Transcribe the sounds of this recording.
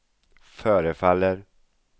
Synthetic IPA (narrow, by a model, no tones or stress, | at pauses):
fœːɾəfalːəɾ